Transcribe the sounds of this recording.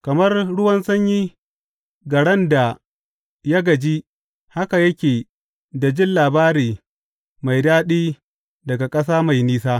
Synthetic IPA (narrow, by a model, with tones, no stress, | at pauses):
kɐ˨mɐ˦rɽʊ˦wɐ˦nsɐ˦ɲji˦ | ɡɐ˨ɽɛ˦nda˨ | jɐ˦ɡɐ˨d͡ʒiː˦ | ha˦ka˨jɐ˦kʲeː˨ | da˨d͡ʒɪ˦nlaː˨baː˦ɾiː˨ | ma˨jdaː˦ɗiː˦ | dɐ˨ɡa˨kʼɐ˦s̬aː˦ma˨jniː˦saː˦